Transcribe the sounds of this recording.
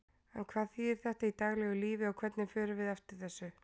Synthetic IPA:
ɛnkʰvaːðθiːðɪɾ̥θɛht̪ait̪aɣlɛɣʏliːvɪawkʰvɛt̪nɪfœːɾɪvɪðaft̪ɪɾ̥θɛsːʏ

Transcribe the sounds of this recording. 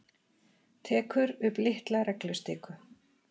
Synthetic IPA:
t̪ʰɛːkʏɾʏplɪht̪laɾɛklʏst̪ɪːkʏ

